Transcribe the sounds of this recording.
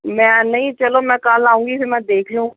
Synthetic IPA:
mɛ̃ːnɐɦĩt͡ʃɐlomɛ̃kaːlaːũːŋɡisʰemɛ̃d̪eːkʰlũː

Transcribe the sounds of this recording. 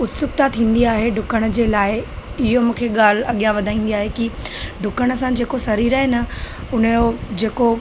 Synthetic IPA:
ʊt̪sʊk̚t̪at̪ʰĩːn̆d̪iaːɦeɖʱʊkəɽ̃̆d͡ʑeːlaːɪɪɦomũːkʰeɠaːl̤ɐɠijãʋɐd̪ʱaːĩːn̆d̪iaːɦekiɖʱʊkəɽ̃ə̆sãd͡ʑeːkosɐɾiːɾaɦenɐʊnəjod͡ʑeːko

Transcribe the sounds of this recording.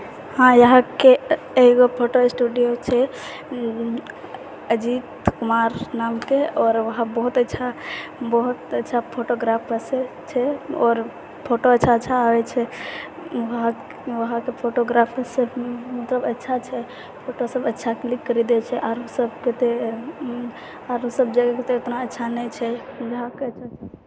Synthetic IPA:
hãjəɦãke | eɦiɡopʰoʈoesʈuɖijot͡ʃʰɛ | əd͡ʒit̪kumaɾnamkeɔːɾʋəɦãbɔɦut̪ətːʃʰabɔɦut̪ətːʃʰapʰoʈoɡɾapʰəse | t͡ʃʰɛɔːɾ | pʰoʈoətːt͡ʃʰaətːʃʰaːwɛt͡ʃʰɛ | ʋəɦa | ʋəɦakepʰoʈoɡɾapʰsəbmət̪ləbətːʃʰat͡ʃʰɛ | pʰoʈosəbətːʃʰaklikːəɾid̪ɛt͡ʃʰɛʔaɾɦusəbket̪e | aɾɦusəb̚d͡ʒaɡeket̪eot̪naətːʃʰanɛt͡ʃʰɛd͡ʒəɦakeət͡ʃʰat͡ʃʰɛ

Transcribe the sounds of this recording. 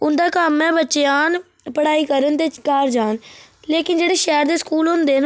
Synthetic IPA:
ʊnd̪aːkəmːɛ̃ːbətːt͡ʃejaːn | pəɽaːiːkəɾənt̪eːkaːɾd͡ʒaːnleːkɪnd͡ʒeːɽeːʃɛːɾd̪eːskuːlɦʊ̃nd̪eːn

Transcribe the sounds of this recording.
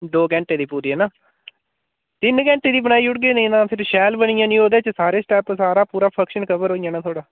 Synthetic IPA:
d̪oːkɛ̃ːɳʈeːd̪iːpuːɾiːɦɛːnaː | t̪ɪnkɛ̃ːɳʈeːd̪iːbənaːiːʊʈ̚ɡeːnəĩːnãːpʰɪɾʃɛːlbənɪjãːnĩːɦoːd̪eːt͡ʃəsaːɾeːsʈɛːpsaːɾaːpuːɾaːpʰəkʃənkəbəɾɦoːijãːnaːt̪ʰoːɽaː

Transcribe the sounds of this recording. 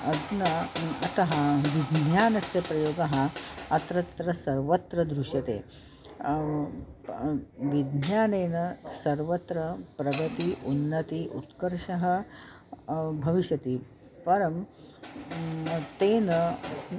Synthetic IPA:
ɐd̪nɐɐt̪ɐɦɐʋid̪njaːnɐsjɐpɾɐjoːɡɐɦɐɐt̪ɾɐt̪ɾɐsɐɾʋɐt̪ɾɐd̪ɾuʂjɐt̪ḛː | ʋid̪ʱnjaːneːnɐsɐɾʋɐt̪ɾɐpɾɐɡɐt̪iʔunːɐt̪iʔṵt̪kɐɾʂɐɦɐ̆ | bʱɐʋiʃjɐt̪i | pɐɾɐm | t̪eːnɐ

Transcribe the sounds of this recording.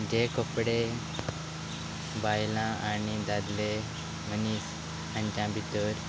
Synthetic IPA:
d͡ʑekopɽe | bajlãanid̪ad̪le | m̤əniːs | and͡ʑãbʱid̪əɾ

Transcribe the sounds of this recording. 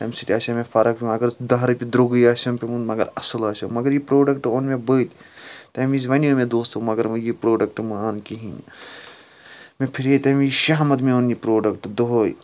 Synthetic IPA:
t̪ɐmʲsiʈʲiaːsʲɐmefɐɾɐk̚pʲimɐɡɐɾd̪ɐɦɾpʲid̪ɾoɡɨjaːsʲɐmpʲemũnmɐɡɐ̰ɾɐsɐlaːsɐmɐɡɐɾjipɾoːɖɐk̚ʈonmebəːt̪t̪ɐmizʋɐniomẽd̪oːst̪ɐmɐɡɐɾmɨjipɾoːɖɐk̚ʈmɐaːnkiɦin̰ | mepʰiɾet̪ɐmiʃaɦmɐt̪meonipɾoːɖɐkʈd̪oɦoj

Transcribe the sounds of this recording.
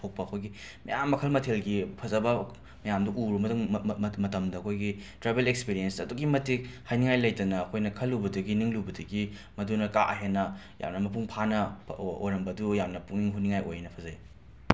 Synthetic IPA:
tʰok̚pɐɐkʰojɡi | mɐ̰jamːɐkʰɐlmɐtʰelɡipʰɐzɐbɐ | mɐjamduʔuɾumɐmɐtɐmdɐːkʰojɡitɾebelekspiɾijensɐduɡimɐtik̚hajniŋajlɐjtɐnɐːkʰojnɐkʰɐlːubɐdɐɡiniŋlubɐdɐɡi | mɐdunɐka̰ʔɐɦenːɐ | ja̰mnɐmɐpuŋpʰanɐo̰jɾɐmbɐdujamnɐpuŋiŋɦuniŋajo̰jnɐpʰɐzɐi

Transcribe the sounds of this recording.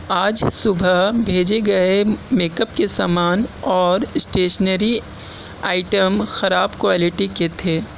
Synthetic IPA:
aːd͡ʒsʊbʱəɦbʱeːd͡ʒeɡɐemeːkəpkesa̰ːmaːnɔːɾsʈeːʃənəɾi | aːɪʈəmxɐɾaːbkwaːlɪʈiket̪ʰeː

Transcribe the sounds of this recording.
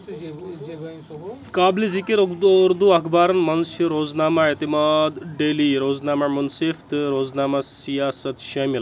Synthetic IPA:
kaːblizikiɾokd̪ɾd̪uɐkʰbaːɾɐnmɐnsɐɾoːd͡znaːmaet̪imaːd̪ɖeliːɾoːd͡znaːmamɐnseːft̪ɨɾoːd͡znaːmasijaːsɐt̪ʃɐmil

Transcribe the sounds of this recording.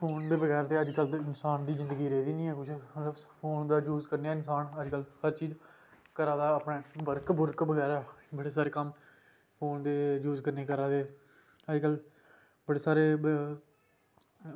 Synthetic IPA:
pʰoːnd̪eːbəɡɛːɾt̪eːəd͡ʒkəlɪnsaːnd̪iːzɪ̃nd̪əɡiːɾeːd̪iːniːɛ̃ːkʊt͡ʃʰɾəpʰoːnd̪aːd͡ʒuːzkəɾneɛːɪnsaːnəd͡ʒkəlhəɾt͡ʃiːz | kəɾãːd̪aːpɳeːbəɾkbʊɾkbəɡɛːɾaːbəɽeːs̬aːɾeːkəm | pʰoːnd̪eːjuːzkəɾneːkəɾaːd̪eː | əd͡ʒkəl | bəɽeːsaːɾeː

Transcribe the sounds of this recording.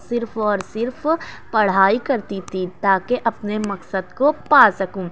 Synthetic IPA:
sɪɾfɔːɾsɪɾfpɐɽ̤aːikɐɾt̪it̪it̪aːkeʔɐpnemɐqsəd̪kopaːsɐkũː

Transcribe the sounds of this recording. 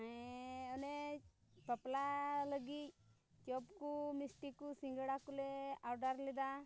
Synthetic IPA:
aɔnepəplaləɡic̪̚ | t͡ʃɔpkumisʈikusiŋɡəɽakulɛaɾɖaɾlɛd̪a

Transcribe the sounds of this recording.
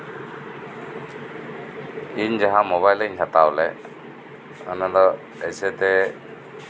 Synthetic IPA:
iɲd͡ʒaɦamɔβajleiɲkat̪awlɛ | anad̪ɔ | ɛsɛt̪ɛ

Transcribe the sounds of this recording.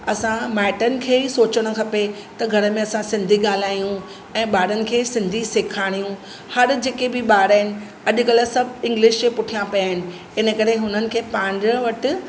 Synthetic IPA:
ɐsãmɛːʈənɪ̆kʰeːsoːt͡ɕəɽ̃ʊ̆kʰɐpet̪ɐɡʱɐɾə̆mẽɐsãsɪ̃nd̪ʱiɠaːl̤aːijũ | ɛ̃ːɓaːɽənɪ̆kʰeːsɪ̃nd̪ʱisɪkʰaːɽ̃ijũ | hɐɾd͡ʑeːkebɪɓaːɽaːɦɪnɪ̆ | ɐʄʊ̆kɐləsɐbʱɪ̃ŋɡlɪʃk̪epʊʈʰijãpijaːɦɪnɪ̆ | ɪnəkɐɾeɦʊnənɪ̆kʰeːpãːɲd͡ʑəʋɐʈʊ

